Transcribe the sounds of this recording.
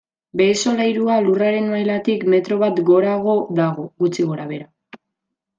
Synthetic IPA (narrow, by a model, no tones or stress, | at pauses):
be̞so̞lajɾualuraɾe̞noajlat̪ikme̞t̪ɾo̞βat̪ɡo̞ɾaɣ̞o̞ðaɣ̞o̞ɣut͡siɣo̞ɾaβe̞ɾa